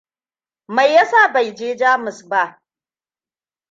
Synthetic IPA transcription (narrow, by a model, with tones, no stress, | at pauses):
ma˨jːa˦saː˦˨ba˨jd͡ʒeː˦d͡ʒaː˦mɪ˨sba˦˨ʔ